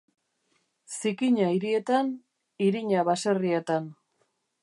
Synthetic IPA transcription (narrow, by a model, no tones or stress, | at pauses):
sikiɲaiɾie̞t̪an | iɾiɲaβase̞rie̞t̪an